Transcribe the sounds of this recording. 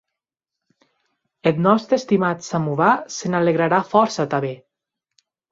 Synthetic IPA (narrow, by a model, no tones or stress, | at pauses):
et̪nɔst̪ɾest̪imat̪samuβasenaleɣɾaɾafɔɾsat̪aβe